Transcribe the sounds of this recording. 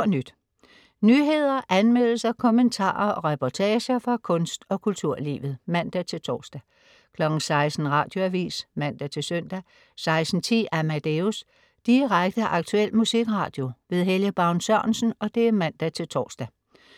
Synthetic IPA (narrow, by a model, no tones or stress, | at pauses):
nyd̥ | nyːɦe̝ð̞̰ˠɐʔænmel̰l̩sɐkʰɔ̽ment͡sʰɑ̰̈ːɐɒ̽ʁɛpʰɒt͡sʰɛːɕɐfʁɑ̈kʰɔ̽nsd̥ɒ̽kʰult͡sʰuɐ̰lḭːʋð̩ˠmæn̰d̥æt͡sʰe̝lt͡sʰɒ̰ːsd̥æ | kʰlɒ̽ɡ̥n̩sɑ̈ɪsd̥n̩ʁɑ̈ːd̥jo̝æʋḭːsmæn̰d̥æt͡sʰe̝lsœn̰d̥æ | sɑ̈ɪsd̥n̩t͡sʰḭːʔæmæd̥eus | d̥iʁaɡ̥̚d̥əʔɑ̈ɡ̥̚t͡sʰuel̰̥musiɡ̥ʁɑ̈ːd̥jo̝ʋe̝ð̞ˠɦeljəb̥ɑ̈ʊnsœɐnsn̩ɒ̽d̥e̝æmæn̰d̥æt͡sʰe̝lt͡sʰɒ̰ːsd̥æ